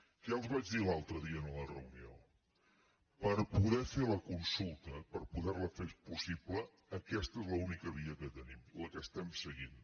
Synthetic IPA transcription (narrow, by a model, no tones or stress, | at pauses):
kɛəlˠzβad͡ʒðilalˠt̪ɾəðiəːnələrə̰unio | pəɾpuðɛfeləkunsulˠt̪əpəɾpuðɛrləfespusipləː | kɛst̪əezləunikəβiəkət̪ənimləkəst̪ɛmsəɣin